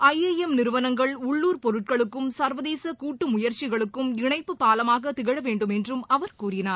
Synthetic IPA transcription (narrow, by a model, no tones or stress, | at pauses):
ɐjeːjɛmnɪɾɯʋɐnɐŋɡɐɭʊɭːuːɾpɔɾɯʈ̚kɐɭɯkːɯmsɐɾʋɐðeːsɐkuːʈːɯmʊjɐɾt͡ʃɪɣɐɭɯkːɯmɪɳɐɪpːɯpaːlɐmaːɣɐt̪ɪɣɐɻɐʋeːɳɖɯmɛndrɯmɐʋɐɾkuːɾɪnaːɾ